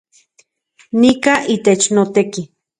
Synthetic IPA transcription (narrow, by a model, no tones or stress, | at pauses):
nikaʔit̪et͡ʃnot̪eki